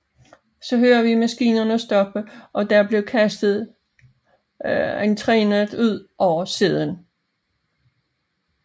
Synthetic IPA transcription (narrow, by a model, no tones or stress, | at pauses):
sɒ̽ɦøːɐʋimæsɡ̥ḭːnɐnəɒsd̥ɒ̽b̥əʔɒ̽d̥æɐb̥le̝ʊkʰæsd̥ð̩ˠ | ent͡sʰʁɛːn̩ˠuð̰ˠʔɒʊ̰ɐseð̰ˠən